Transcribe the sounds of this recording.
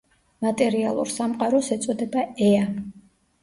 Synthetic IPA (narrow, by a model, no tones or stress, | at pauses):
mat̪ʼɛɾialˠṵɾsamqʼaɾɔsɛt̪sʼɔd̪ɛbaɛa